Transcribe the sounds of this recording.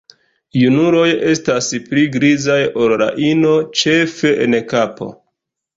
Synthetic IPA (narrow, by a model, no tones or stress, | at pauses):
junuɾo̞je̞staspliɡɾizajolɾa̰ʔino̞t͡ʃe̞fe̞ʔenkapo̞̰